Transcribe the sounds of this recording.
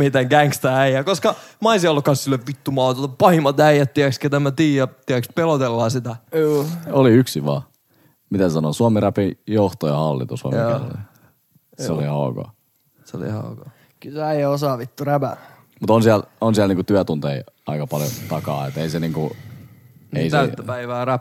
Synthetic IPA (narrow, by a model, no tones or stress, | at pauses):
mit̪eŋɡæŋkst̪ææijæːkoskɑmɑisiɑolːkɑnssilːeʋʋit̪ːumɑːt̪uot̪ɑpɑhimɑt̪æijæt̪t̪iæksket̪æmæt̪iːjæt̪iækspelot̪elːɑːsit̪æuːoliyksiʋɑ̰ː | mit̪æsɑnosuɑmeræpijoht̪ojɑhɑlːḭt̪usuo̰ɑ̰ | seolihɑuko̰ | seo̰lḭhɑ̰uko̰ | kylseæiæosɑːʋit̪ːuræbæ | mut̪onsiælonsiælniːŋkut̪yæt̪unt̪eḭɑ̰ikɑpɑljo̰t̪ɑkɑ̰ːet̪ːeiseniːŋku | eist̪æyt̪ːæpæiʋæːræp